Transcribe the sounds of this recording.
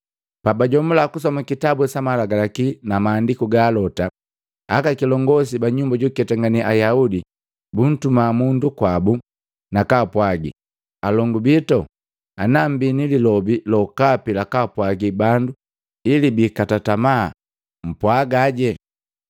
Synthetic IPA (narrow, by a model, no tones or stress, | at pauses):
pabaɟɔmulakus̬ɔmakitabuwɛsamalaɡalakinamaːndikuɡaːlɔta | akakilɔŋɡɔs̬ibaɲumbaɟukɛtaŋɡaniʔajaudi | bun̩tumamundukwabu | nakapwaɡḭ | alɔŋɡubitɔ | anam̩binililɔbilɔkapilakapwaɡibandu | ilibikatatama̰ | m̩pwaɡaɟɛ